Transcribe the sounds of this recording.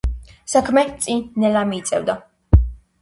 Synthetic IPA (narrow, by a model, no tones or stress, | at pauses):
sakʰmɛt̪sʼinɛlamit̪sʼɛvd̪a